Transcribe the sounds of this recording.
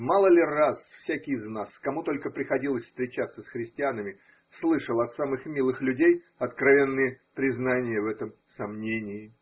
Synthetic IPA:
malˠəlʲɪrasfsʲækʲɪjznaskɐmut̪o̞lʲkəpɾʲɪxɐdʲilˠəsʲfst̪ɾʲɪt͡ɕat̪sːəsxɾʲɪsʲtʲɪanəmʲɪ | slˠɨʂəlˠɐt̪samɨxmʲilˠɨxlʲʉdʲej | ɐt̪kɾɐvʲe̞nːɨjəpɾʲɪznanʲɪjəvɛt̪əm | sɐmnʲenʲɪɪ

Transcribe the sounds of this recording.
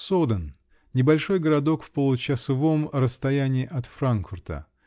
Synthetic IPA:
sod̪ən | nʲɪbɐlʲʂo̞jɡəɾɐd̪o̞kfpolˠʊt͡ɕəsɐvo̞mrəst̪ɐjænʲɪːʔɐt̪fɾankfʊrt̪ə̰

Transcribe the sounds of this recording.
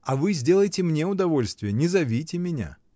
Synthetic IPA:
ɐvɨzʲdʲe̞lˠəjtʲɪmnʲeʊd̪ɐvo̞lʲst̪vʲɪjənʲɪzɐvʲijtʲɪmʲɪnʲa̰

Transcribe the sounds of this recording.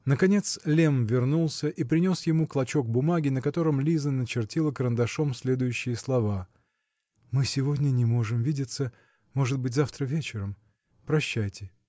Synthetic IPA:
nəkɐnʲe̞t̪slʲe̞mvʲɪrnulˠsʲəʔipɾʲɪnʲo̞sjɪmuklˠɐt͡ɕo̞ɡ̚bʊmaɡʲɪnəkɐt̪oɾəmlʲizənət͡ɕɪrtʲilˠəkəɾənd̪ɐʂo̞msʲlʲe̞d̪ʊjʉɕːɪjəslˠɐva | mɨsʲɪvo̞dʲnʲənʲɪmo̞ʐɨmvʲidʲɪt̪sə | mo̞ʐɨt̪̚bɨt̬̚ʲzaft̪ɾəvʲet͡ɕɪɾəm | pɾɐɕːæjtʲɪ

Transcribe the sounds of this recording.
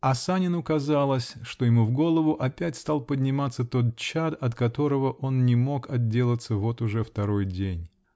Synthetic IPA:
ɐsanʲɪnʊkɐzalˠəsʲʂt̪ojɪmuvɡo̞lˠəvʊʔɐpʲætʲst̪alˠpədʲnʲɪmat̪sːət̪o̞t̪̚t͡ɕad̪ɐt̪kɐt̪o̞ɾəvəʔo̞nnʲɪmo̞kɐd̚dʲe̞lˠət̪səvo̞t̪ʊʐɛft̪ɐɾo̞jdʲenʲ

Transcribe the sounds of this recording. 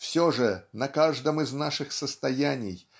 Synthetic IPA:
fsʲoʐənɐkaʐd̪əmɨznaʂɨxsəst̪ɐjænʲɪj

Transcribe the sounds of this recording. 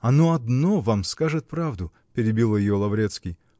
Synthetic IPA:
ɐnoɐd̪novamskaʐɨt̪̚pɾavd̪ʊ | pʲɪɾʲɪbʲilˠjɪjolˠɐvɾʲet̪skʲɪj

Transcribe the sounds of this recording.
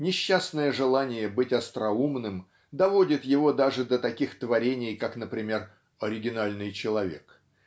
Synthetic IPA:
nʲɪɕːasnəjəʐɨlˠanʲɪjəbɨtʲɐst̪ɾɐumnɨm | d̪ɐvo̞dʲɪt̪jɪvo̞d̪aʐɨd̪ət̪ɐkʲixt̪vɐɾʲenʲɪjkaknəpɾʲɪmʲe̞r | ɐɾʲɪɡʲɪnalʲnɨjt͡ɕɪlˠɐvʲe̞̰k

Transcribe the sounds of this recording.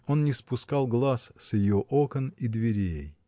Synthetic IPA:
o̞nnʲɪspʊskalˠɡlˠassjɪjoʔokənid̪vʲɪɾʲej

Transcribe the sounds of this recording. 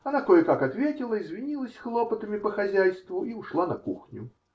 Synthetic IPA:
ɐnat̪ɔjɛkakat̪vʲetʲilˠəizʲvʲinʲilˠəsʲxlˠɔpət̪əmʲipɐxazʲajst̪vʊiwʂlˠanɐkṵxnʲʊ̰

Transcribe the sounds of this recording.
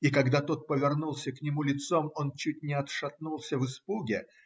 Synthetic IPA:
ikɐɡd̪at̪o̞t̪̚pəvʲɪrnulˠsʲəknʲɪmulʲɪt̪so̞mo̞nt͡ɕʉt̚ʲnʲɪɐt̪ʂɐt̪nulˠsʲəvɨspuɡʲɪ

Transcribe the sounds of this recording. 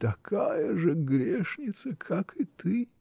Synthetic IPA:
t̪ɐkʰajɐʐəɡɾʲeʂnʲɪt̪sɐkʰakʰɨt̪ɨ

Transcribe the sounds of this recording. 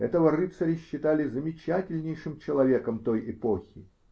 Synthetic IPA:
ɛt̪əvərɨpt̪sɐɾʲɪɕːɪt̪alʲɪzəmʲɪt͡ɕætʲɪlʲnʲɪjʂɨmt͡ɕɪlˠɐvʲe̞kəmt̪o̞jɪpo̞xʲɪ

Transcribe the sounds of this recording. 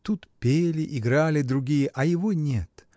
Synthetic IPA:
t̪ut̪pʲelʲɪʔɪɡɾalʲɪd̪ɾʊɡʲijəʔɐjɪvonʲet̪

